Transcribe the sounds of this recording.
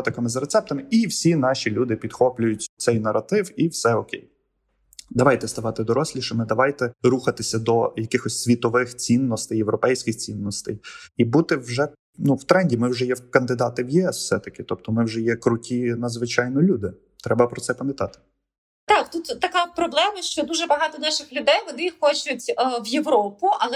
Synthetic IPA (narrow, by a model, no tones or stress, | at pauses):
t̪ɐkɐmɪzɐɾet̪sɛp̚t̪ɐmɪiwsʲinɑʃʲilʲud̪ɪpʲid̪̥xɔplʲʊjʊtʲt̪sɛjnɐɾɐt̪ɪwiwsɛɔkʲḛj | d̪ɐʋɑjt̪ɛst̪ɐʋɑt̪ɪd̪ɔɾɔsʲlʲiʃɐmɪd̪ɐʋɑjt̪ɛɾuxɐt̪ɪsʲɐd̪ɔjɐkɪxɔsʲsʲʋʲit̪ɔʋɪxt͡sʲinːɔst̪ɪjewɾɔpɛjsʲkʲɪxt͡sʲinːɔst̪ɛ̰jibut̪ɪwʒɛ | nuw̥t̪ɾɛnʲdʲimɪwʒɛjɛkɐnd̪ɪd̪ɑt̪ɪwjiɛswsɛt̪ɐkɪt̪ɔpt̪ɔmɪwʒɛjɛkɾʊtʲinɐd̪zʋɪt͡ʃɑjnɔlʲud̪ɪ | t̪ɾɛbɐpɾɔt̪sɛpɐmʲɛt̪ɑt̪ɪ̥ | t̪ɑkt̪ut̪ːɐkɑpɾɔblˠɛmɐʃt͡ʃɔd̪uʒɛbɐɦɑt̪ɔnɑʃɪxlʲʊd̪ɛjʋɔnɪxxɔt͡ʃʊtʲəʋjeʋɾɔpʊʔɐlˠɛ